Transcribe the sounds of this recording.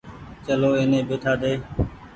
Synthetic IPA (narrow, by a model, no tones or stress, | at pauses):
t͡ʃəloːeːnẽːbeːʈʰaːd̪eː